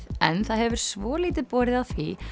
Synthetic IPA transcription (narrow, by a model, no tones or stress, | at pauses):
ðɛ̰nθaðhɛvʏɾ̥svɔːliːt̪ɪpɔːɾɪðaðθvi